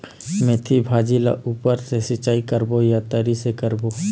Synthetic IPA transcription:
met̪ʰibʱaːd͡ʒila̰ʔuːpəɾsesɪt͡ʃaːikəɾbojat̪əɾisekəɾbo

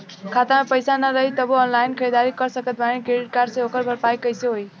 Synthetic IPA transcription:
kʰat̪amepəjsanaɾʌɦit̪ʌbuɔnlajnkʰəjd̪aɾikʌɾsəkʌt̪̚bʱanekɾeɖiʈ̚kaɾseokʌɾbʱʌɾpajkʌjseɦoj

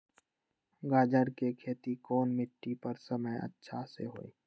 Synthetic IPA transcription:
ɡaːd͡ʒəɾkekʰeːt̪ikɔːnmɪʈːipəɾsəməjə̰tːʃʰaseɦo̰ːḭː

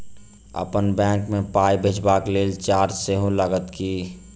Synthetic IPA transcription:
ə̰pənbɛ̃ːkmẽpaibʱet͡ʃbakleːlt͡ʃaːɾd͡ʒseɦũləɡət̪ki

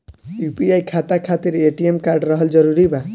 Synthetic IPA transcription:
jupiajkʰat̪akʰat̪iɾeʈiemkaɾɖɾɔɦɔld͡ʒɔɾuɾiba

